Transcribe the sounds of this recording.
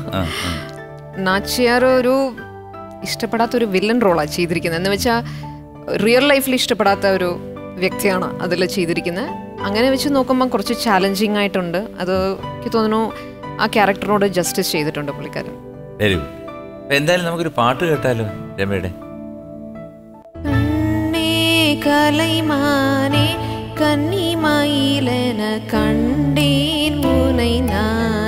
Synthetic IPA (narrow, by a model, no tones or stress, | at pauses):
a̰ːa̰ | naːt͡ɕːijaːrɨo̞ɾu | iʂʈɐpːeɽaːt̪ːɐo̞ɾuʋilːɐnro̞ːɭaːt͡ɕe̞jt̪ːiɾikʲːunːɐenːɨʋɐt͡ɕːaː | rijɐlːɐjfiliʂʈɐpːe̞ɽaːt̪ːɐo̞ɾu | ʋjɐk̚t̪ijaːɳɨɐ̰ðɐlːɐt͡ɕe̞jt̪ːiɾikʲːunːɐ | ɐŋːɐne̞ʋɐt͡ɕːɨno̞ːkːumbokurɐt͡ɕːɨt͡ɕaːleɲd͡ʑiŋːaːjiʈːuɳɖɨɐ̰ðɨkʲːɨt̪o̞ːnːnːu | a̰ːkʲaːrɐk̚ʈɐro̞ːɽɨd͡ʑɐstist͡ɕe̞jt̪iʈːuɳɖɨpoɭikʲːa̰ːɾɐ̰m | ʋeɾiu | ɐpoend̪aːjilumnɐmukːo̞ɾupaːʈːɨkeːʈːaːlːoːd͡ʑemːḛjɽḛ | kɐɳɖekɐlɐjmaːnekɐnːimaːjilenɐkɐɳɖenmunɐjna